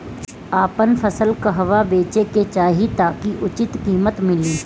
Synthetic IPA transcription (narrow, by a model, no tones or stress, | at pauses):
aːpənpʰəsəlkɐɦɐʋabeːt͡ʃeket͡ʃaːɦit̪aːkiʔʊt͡ʃɪt̪kiːmət̪mɪliː